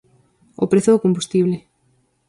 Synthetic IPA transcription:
o̰pɾeθoðokõmbust̪iβ̞le

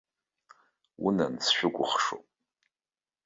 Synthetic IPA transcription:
wṵnansʃʷᶣʊkʷʼʊχʂopʼ

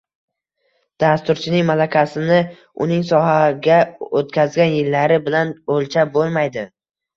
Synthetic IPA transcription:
d̪̥ast̪ʊɾt͡ʃʰɪnɪŋmalakʲasɪnɪ | ʊ̰nɪŋsɒɦaɡʲaot̪kʲʰazɡʲanjɪlːaɾɪbɪlanolt͡ʃʰabolˠmajd̪ɪ

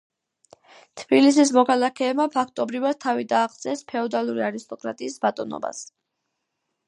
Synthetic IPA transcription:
t̪ʰbilis̬is̬mɔkʰalˠakʰɛːbmapʰakʰt̪ʼɔbɾivad̪̥̚t̪ʰavid̪aːʁd̪sʼɛspʰɛɔd̪alˠuɾiaɾist̪ʼɔkʼɾa̰t̪ʼiːsbat̪ʼɔ̰nɔ̰ba̰s

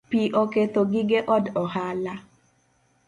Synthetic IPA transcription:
piʔɔket̪oɡɪɡeʔɔdɔhala

